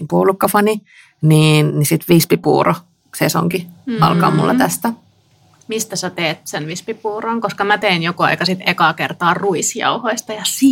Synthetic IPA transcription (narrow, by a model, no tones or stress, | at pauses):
puːlukːɑfɑni | niːnnisit̪ʋispipṵːro | seso̰ŋkiɑ̰lkɑ̰ːmṵlːɑt̪æst̪æ | mist̪æsæt̪eːt̪senʋispipuːroŋkoskɑmæt̪einjokoɑ̰ikɑsit̪ekɑkert̪ɑːruisjɑ̰uhoist̪ɑjɑsi